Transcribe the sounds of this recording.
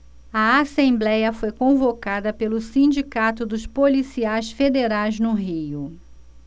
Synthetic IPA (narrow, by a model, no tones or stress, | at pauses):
ɐasẽmblɛjɐfojkõvokad̪ɐpelʊsĩd͡ʒikat̪ʊd̪ʊspolisiajsfed̪eɾajznʊɦijʊ